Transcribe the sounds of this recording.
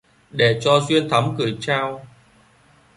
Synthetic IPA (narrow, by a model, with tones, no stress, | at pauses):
ɗe˧˩t͡ɕɔ˧zwi˧ənt̪ʰa˨˦mkɨ˨˩əjt͡ɕaː˧w